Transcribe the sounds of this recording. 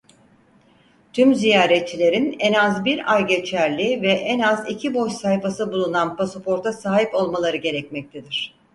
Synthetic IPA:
t̪ʰymzijaːɾɛt̪̚t͡ʃʰːilʲe̞ɾinɛnazbiɾajɟe̞t͡ʃʰæɾlʲivɛʔɛnazicʰibo̞ʃsahjfasɯbulˠunanpasopʰo̞ɾt̪ʰasaːɦipo̞lˠmalˠaɾɯɟe̞ɾɛcmɛc̚t̪ʰed̪iɾ̝̥

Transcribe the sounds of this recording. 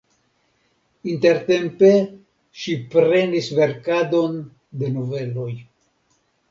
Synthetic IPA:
inte̞ɾte̞mpe̞ | ʃipɾe̞nisve̞ɾkado̞n | de̞nove̞lo̞j

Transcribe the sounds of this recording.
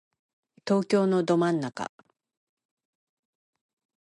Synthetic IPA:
t̪o̞ːkʲo̞ːno̞d̪o̞mãnːaka̰

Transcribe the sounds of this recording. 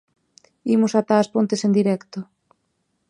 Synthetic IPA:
imosat̪aːspont̪esend̪iɾɛkt̪o

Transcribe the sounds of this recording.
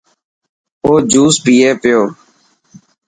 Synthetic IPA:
oːd͡ʒuːspiːeːpɪjoː

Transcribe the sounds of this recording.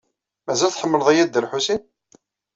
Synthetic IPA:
mæzælθħəmːəlðˤæjæd̪ːəlħusin

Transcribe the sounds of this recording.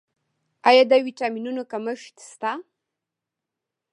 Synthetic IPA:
ajad̪awiʈaminunokaməʃt̪st̪a

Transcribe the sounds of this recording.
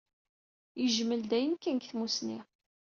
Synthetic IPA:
jəʒməld̪æjənkːənkθmusni

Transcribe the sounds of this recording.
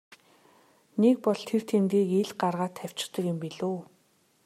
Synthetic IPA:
nek̚pɔɮt̪ʰer̥t̪ʰemt̪iːkeɮɢarʁaːt̪ʰæw̥ʲt͡ɕɪ̥̆t̪ə̆kʊmpiɮoː

